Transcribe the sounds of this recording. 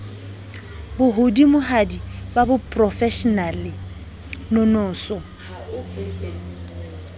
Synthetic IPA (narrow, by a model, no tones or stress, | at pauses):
bʊɦʊdimʊɦadibabʊpʼrɔfɛʃɔnalɪ | nɔnɔːsɔ